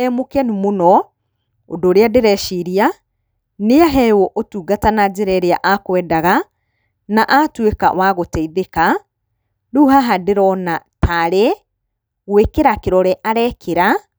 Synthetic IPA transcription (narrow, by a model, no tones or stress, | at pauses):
ɛmokɛnumonɔ | o̰doːɾeadeɾɛʃiɾia | neaɦɛwɔʔotuːɡatanad͡ʑeɾɛɾeaʔakwɛːdaɣa | naʔatweka̰waɣotɛiðeka | duɦaɦadeɾɔnatʰaɾe | ɣwekeɾakeɾɔɾɛʔaɾɛkʰeɾa